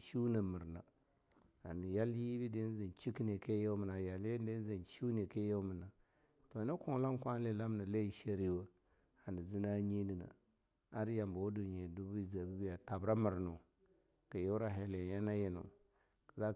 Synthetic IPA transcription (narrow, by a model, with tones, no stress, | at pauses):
ʃu˦na˨mi˨ɾna˨ | a˨ni˨ja˦lji˦bi˦di˦zi˨nt͡ʃi˦ki˦ne˨ke˦ja˦mi˨na˨ja˨le˦de˦n˦zi˨nʃu˦ne˨ke˦ja˦mi˨na˨ | to˨na˦ku˨ŋ˦la˦ŋ˦kʷa˦n˦li˦˨la˦mna˨le˦˨ʃe˦ɾi˦wa˦ | a˨ni˨zi˦na˦ɲi˦ni˨na̰˨ | a˦ɾja˨mba˨wdu˨ɲe˨du˦bi˦˨za˨bi˦bi˦ja˨ta˨bɾa˦mə˨ɾnu˨ | ka˨je˦wɾa˦˨ɦe˨le˨ja˦na˦ji˦nṵ˨ | kza˦